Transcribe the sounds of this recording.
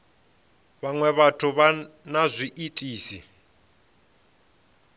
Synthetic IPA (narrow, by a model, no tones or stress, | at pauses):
βaŋwɛβatʰuβanazʷiʔitʼiːsḭ